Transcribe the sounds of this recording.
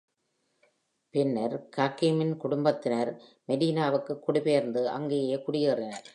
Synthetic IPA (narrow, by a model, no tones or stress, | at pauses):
pɪnːɐɾkaːkimɪnkʊɽʊmbɐt̪ːɪnɐɾmɛɽiːnaːʋɯkːɯkːʊɽɪpeːɾnd̪ɯʔɐ̰ŋɡeːjeːkʊɽɪjɯːrɪnɐɾ